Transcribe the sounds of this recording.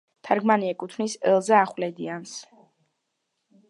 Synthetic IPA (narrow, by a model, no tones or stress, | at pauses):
t̪ʰaɾɡmaniɛkʼut̪ʰnisɛlˠzaːχwlɛd̪ians